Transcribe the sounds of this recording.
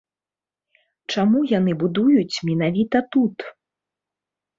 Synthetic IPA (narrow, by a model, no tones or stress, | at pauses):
t͡ʂamujanɨbud̪ujut͡sʲmʲin̪avʲit̪ɐt̪ut̪